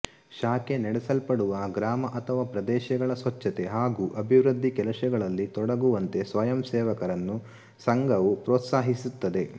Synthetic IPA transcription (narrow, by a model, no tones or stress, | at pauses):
ʃaːkenɛɽɛsɐlpɐɽuʋɐɡɾaːmɐʔɐt̪ʰɐʋaːpɾɐd̪ɛːʃɐɡɐɭɐsʋɐt͡ʃːɐt̪e̞ɦaːɡuːʔɐbʱiʋɾud̪ʱːikɛlɐʃɐɡɐɭɐlːit̪ɔɽɐɡuʋɐnt̪e̞sʋɐjɐmsɛːʋɐkɐɾɐnːu | sɐŋɡɐʋupɾoːt̪saːɦisut̪ːɐd̪e̞